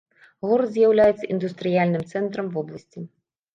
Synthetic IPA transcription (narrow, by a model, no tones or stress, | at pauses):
ɣɔrzʲjawlʲajɛt̪sɐʔind̪ust̪ɾɨjalʲnɨmt̪sɛnt̪ɾɐmvɔblˠɐsʲt͡sʲi